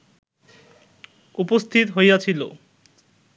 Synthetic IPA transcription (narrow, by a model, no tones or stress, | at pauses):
upost̪ʰit̪ɦojat͡ɕʰilo̰